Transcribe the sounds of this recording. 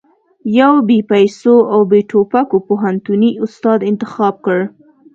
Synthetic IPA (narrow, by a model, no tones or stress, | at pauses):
jawbepajsoawbeʈʰopakopoɦant̪uniʊst̪ɑd̪ɪnt̪ɪxɑb̚kəɽ